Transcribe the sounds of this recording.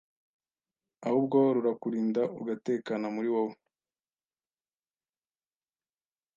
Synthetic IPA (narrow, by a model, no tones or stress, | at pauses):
ahub̚ɡoɾuɾakuɾiːndaṵɡate̞ːkanamuɾiwoo